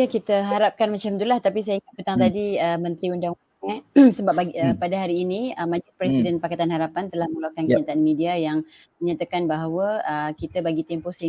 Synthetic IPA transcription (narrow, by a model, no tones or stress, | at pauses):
akit̪əɦaɾap̚kanmat͡ʃamt̪ulaht̪apis̬ajaiŋat̪̚pət̪aŋt̪adiəmə̃nt̪ɾiundaŋudaŋɛsəbap̚baəpadaɦaɾiːniəmãd͡ʒupɾɛsidɛnpakat̪anɦaɾapant̪əlahməŋulakankəɲat̪aʔanmidiajaŋ | məɲat̪akanbaɦawəəkit̪əbaɡit̪ɛmposəi